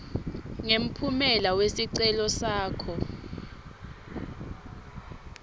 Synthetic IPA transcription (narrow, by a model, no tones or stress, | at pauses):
ŋem̩pʰumɛlawesiǀɛlɔsaːkʰɔ